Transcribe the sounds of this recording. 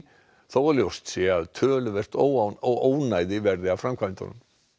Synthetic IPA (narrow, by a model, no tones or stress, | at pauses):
θowaɾljowst̪sɛːaðt̪ʰœːlʏvɛr̥t̪owanɔɣoːwnajðɪvɛɾðɪafɾamkʰant̪ɔ̰nʏ̰m